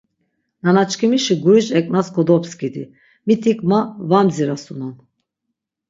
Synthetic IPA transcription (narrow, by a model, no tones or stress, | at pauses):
nanat͡ʃkʰimiʃiɡuɾid͡ʒɛkʼnaskʰɔd̪ɔpskid̪i | mit̪ʰikʼmavamziɾasunɔn